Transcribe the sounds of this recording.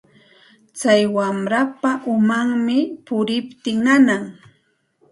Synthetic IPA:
t͡sajwamɾapaʔʊmaŋmɪpʊɾɪpt̪ɪŋnanaŋ

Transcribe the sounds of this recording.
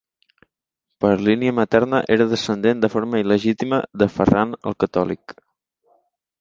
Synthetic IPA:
pəɾliniəmət̪ɛɾnəʔeɾəðəsənd̪end̪əfoɾməiləʒit̪imə̰ðəfəranə̰lˠkət̪ɔlḭk

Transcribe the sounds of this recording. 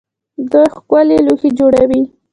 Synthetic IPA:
d̪əxkaleluxed͡ʒoɽawi

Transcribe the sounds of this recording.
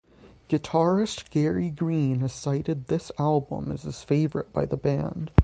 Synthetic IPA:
ɡ̥ɨtʰɑɹɨstɡ̥ɛɹiɡɹĩnɨz̥saɪɾɨd̪̚ðɪsælˠbə̰̃mɨ̰z̥ɨz̥feɪvə˞ɨt̚b̥aɪðəbæ̃nd̥

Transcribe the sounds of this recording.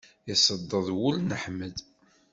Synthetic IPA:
jəsˤəd̪ˤːəðˤwʊlnəħməd̪

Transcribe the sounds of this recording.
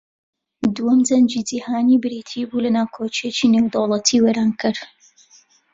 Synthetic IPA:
d̪uwɐmd͡zɐnd͡ʒiːd͡zihaːniːbɨɾiːt̪ʰibulɐnaːkʰoːt͡ʃiet͡ʃinewd̪owlˠɐt̪ʰiːweːɾaːnkʰɨɾ

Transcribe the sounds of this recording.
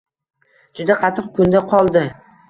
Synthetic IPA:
d͡ʒʊd̪aqʰɑt̪ʰːɨq̚kʰʊnd̪aqʰɒlˠd̪ɪ

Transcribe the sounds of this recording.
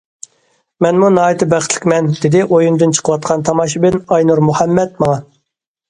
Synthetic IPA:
mɛnmunɑːit̪ɨbæχt̪ʰlɪ̥kʲmɛnd̪ɪd̪ɪʔojund̪ɨnt͡ʃʰə̥qʰəwɑt̪̚qʰɑnt̪ʰɑmɑːʃibɪnɑjnuɾmuhɛmːɛt̪mɑŋɑ

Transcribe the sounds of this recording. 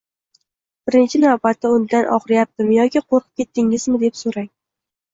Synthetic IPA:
b̥ɪɾɪnt͡ʃʰɪnavbat̪ːɪʊnd̪anʔɒ̰χɾɪjap̚t̪ɪmjɒkʲiqʰoɾqʰɨ̥p̚kʲʰe̞t̪ʰːɪŋɪzmɪd̪e̞psoɾaŋ

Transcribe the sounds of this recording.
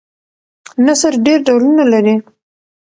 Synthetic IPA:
nasəɾɖeɾɖawlunalaɾi

